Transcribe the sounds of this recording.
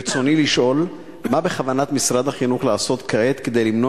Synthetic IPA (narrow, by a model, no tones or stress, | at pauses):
t͡so̞niliʃʔo̞l | mabe̞χavanat̪misʁad̪haχinuχlaːso̞t̪kaet̪ke̞d̪ejlimno